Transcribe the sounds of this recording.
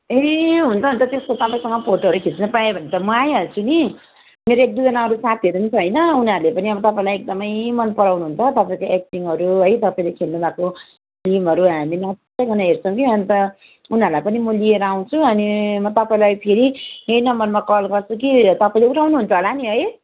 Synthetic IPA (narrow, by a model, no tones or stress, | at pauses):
eɦunt͡sʰʌɦunt͡sʰʌt̪eskot̪ʌpaĩsʌŋɡʌpʰoʈoɦʌɾukʰit͡snʌpaebʱʌnet͡sʌmʌajɦʌnt͡sʰuni | meɾoek̚d̪uid͡zʌnaɦʌɾusat̪ʰiʌɾuunt͡sʰʌɦʌjnʌunʌɾulepʌniʌbʌt̪ʌpaĩlajek̚d̪ʌmʌjmʌnpʌɾawnuɦunt͡sʰʌt̪ʌpaĩkoek̚ʈiŋɦʌɾuɦʌjt̪ʌpaĩlekʰelnubako | limɦʌɾuɦaminʌ | eɡʱʌnaɦert͡sʰʌ̃w̃kiʌnt̪ʌ | unɦʌɾulajpʌnimʌlieɾʌaw̃t͡sʰuʌnimʌt̪ʌpaĩlajpʰeɾiɦejnʌmʌnmakʌlɡʌrt͡sʰukit̪ʌpaĩleuʈʰawnuɦːnt͡sʰʌɦolaniɦʌj